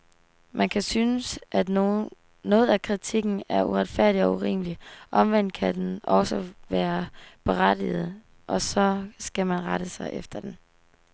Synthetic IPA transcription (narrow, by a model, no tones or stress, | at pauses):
mʔænkʰæsynəsʔæ̥ | nɔ̽ːð̞̩ˠækʰʁit͡sʰiɡ̥n̩æɐʔuʁad̥fæɐ̰d̥iɒ̽uʁḭːməliʔɒ̽mʋen̰d̥̚kʰæd̥enʔɒ̽səʋæːɐb̥e̝ʁad̥ḭð̞̩ˠ | ʔɒ̽sɒ̽sɡ̥æmænʁɑɾ̥əsɑ̈ɪʔefd̥ɐd̥en